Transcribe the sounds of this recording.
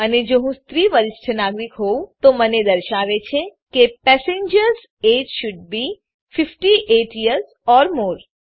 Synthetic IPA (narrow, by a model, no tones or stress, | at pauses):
əned͡ʒoɦũst̪ɾiʋəɾɪsʈʰənaɡɾikɦoũt̪oməned̪əɾʃaʋet͡ʃʰekepɛsẽɲd͡ʒəɾz | ed͡ʒʃʊɖ̚bi | fɪfʈiʔeʈiəɾz | ɔɾmoːɾ